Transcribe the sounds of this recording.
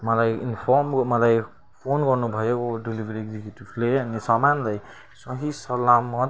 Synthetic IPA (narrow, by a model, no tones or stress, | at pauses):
mʌlajinpʰɔɾmomʌlaj | pʰonɡʌɾnubʱʌjokoɖilibʱeɾieɡzikjuʈibleʌnisamanlaj | sʌɦisʌlamːʌ